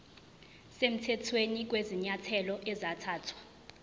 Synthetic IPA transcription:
sem̩tʰɛtʰwenik̬weziɲatʰɛlɔʔɛzatʰaːtʰwa

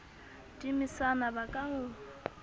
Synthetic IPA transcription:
tʼimisanabakʼaŋʊ

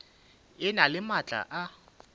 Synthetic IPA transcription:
ɪnalɪmat͡ɬʼa̰ʔa

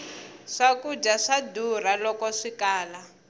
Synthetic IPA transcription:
ʂakud͡ʒaʂadur̤alɔkɔʂikaːla

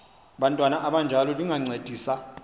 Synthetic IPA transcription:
ɓantʼwanaʔaɓand͡ʒʱalɔliŋaŋ͡ǀed̥ʱiːsa

